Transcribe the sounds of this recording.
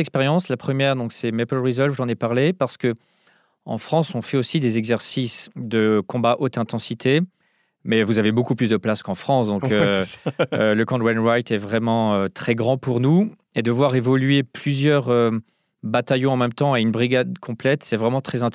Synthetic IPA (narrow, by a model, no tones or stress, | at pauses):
ɛkspɛʁjɑ̃slapχəmjɛʁd̪ɔ̃ksɛmepɔlʁizɔlfuʒɑ̃nepaʁlepaʁsə̥kə | ɑ̰̃fχɑ̃sɔ̃fɛosid̪ezɛɡzɛʁsisd̪əkɔ̃baʔot̪ɛ̃t̪ɑ̃sit̪ʰe | mɛvuzavebokuplysd̪əplaskɑ̃fχɑ̃sd̪ɔ̃kø | ləkɑ̃d̪wɛnwajt̪ɛvʁɛmɑ̃øt̪χɛɡʁɑ̃puʁnu | ed̪əvwaʁevɔlɥeplyzjœʁø | bat̪ajɔ̃ɑ̃mɛmt̪ɑ̃eynbʁiɡad̪kʰɔ̃plɛt̪sɛvʁɛmɑ̃t̪χɛzɛ̃t̪